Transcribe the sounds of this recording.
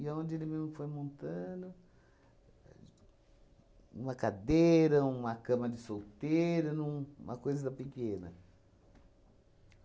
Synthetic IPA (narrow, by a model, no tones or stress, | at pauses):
iaõnd͡ʒ̪ɪelɪmezmʊfojmõnt̪ɐ̃d̪ʊ | ṵ̃mɐkad̪eɾɐũmɐkɐ̃mɐd̪ɪsowt̪eɾɐnũũmɐkojzɐɐpikẽnɐ̰